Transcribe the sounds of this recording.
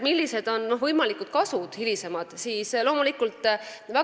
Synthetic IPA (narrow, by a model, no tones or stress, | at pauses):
milʲːise̞d̪̥o̞nno̞vɤjmɑlikˑud̪̥̚kɑsud̪̥hilise̞mɑd̪̥siːslo̞ːmulikult̪ˑvæ